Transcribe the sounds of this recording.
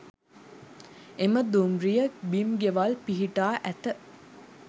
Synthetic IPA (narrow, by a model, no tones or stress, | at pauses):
eməd̪umɾijəbimɡeʋalpiɦiʈaːʔæt̪ə